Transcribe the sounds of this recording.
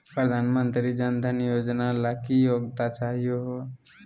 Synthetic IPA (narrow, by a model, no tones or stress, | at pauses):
pɾəd̪ʱaːnmənt̪ɾid͡ʒənd̪ʱənijod͡ʒnalakijoɡt̪at͡ʃaɦijoɦo